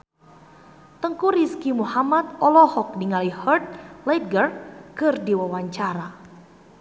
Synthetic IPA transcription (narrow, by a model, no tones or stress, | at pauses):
t̪əŋkuɾiskimuhamat̪̚ɔlɔhɔk̚diŋalihərt̪̚lɛt̪̚ɡərkɨrdiwawaɲt͡ʃaɾa